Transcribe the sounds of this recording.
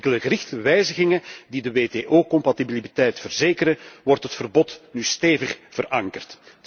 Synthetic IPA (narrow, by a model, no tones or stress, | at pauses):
kələɣəɾɪxtəʋɛjzəɣɪŋədidəʋeːteːʔoːkɔmpɑtibilibitɛjtfərzeːkəɾəʋɔrtɦətfərbɔtnyːsteːvəχv̥ərɑŋkərt